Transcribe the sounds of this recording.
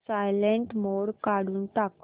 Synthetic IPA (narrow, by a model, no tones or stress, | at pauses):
sajleɳʈmoɽkaɽuːnt̪ak